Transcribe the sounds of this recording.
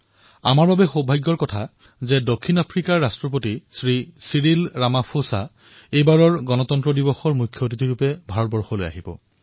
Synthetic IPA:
a̰maɹbabɛxobʱajɡːɔɹkɔtʰa | zɛdokʰːinapʰɹikaɹːastɹɔp̬otisɹisiɹilɹamapʰosa | ejbaɹɔɹɡɔnɔtɔntɹɔdibɔxɔɹmujkʰjotitiɹupɛbʱaɹɔt̚bɔɹxɔloja̰ɦibɔ̰

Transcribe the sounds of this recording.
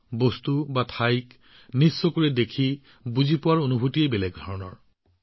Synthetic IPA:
bostubatʰajk | nisːokuɹɛdekʰi | buzipʊwaɹonubʱutiebɛlɛɡ̚dʱɔɹɔnɔ̰ɹ

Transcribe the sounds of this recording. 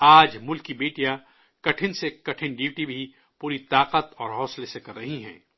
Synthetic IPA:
aːd͡ʒmʊlkibeːʈija | kɐʈʰɪnsekɐʈʰɪnɖiːʈibʱi | puːɾit̪aːqət̪ɔːɾɦɔːslesekɐɾːɐɦiɦɛ̰̃ː

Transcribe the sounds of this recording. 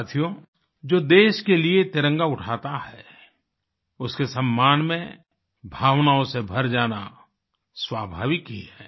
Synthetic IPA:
t̪ʰijo | d͡ʒoːd̪eːʃkeliet̪ɪɾə̃ŋɡaʊʈʰaːt̪aɦɛ | ʊskesə̃mːaːnmẽ | bʱaːʋnaːõsebʱəɾd͡ʒaːna | swaːbʱa̰ːʋɪkiɦɛː

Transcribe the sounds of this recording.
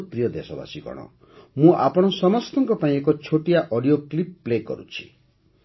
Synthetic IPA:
pɾijɔd̪esɔba̰sikɔ̰ɽ̃ɔ̰ | mũʔapɔɽ̃ɔsɔmɔst̪ɔŋkɔpaĩekɔt͡ʃʰoʈijaʔɔɽijoklipːlekɔ̰ɾṵt͡ʃʰi̥

